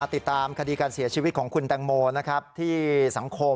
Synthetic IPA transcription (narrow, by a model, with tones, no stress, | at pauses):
t̪i˨˩t̪ːaː˧mkʰa˧diː˧kaː˧nsi˩˦ɐt͡ɕʰi˧wi˦˥kʰɔː˩˦ŋkʰu˧nt̪ɛː˧ŋmoː˧na˦˥kʰɾa˦˥p̚t̪ʰiː˥˩sa˩˦ŋkʰo˧